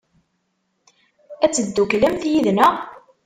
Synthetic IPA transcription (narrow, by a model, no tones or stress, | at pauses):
æt͡sːəd̪ːukləmθjiðnəʁ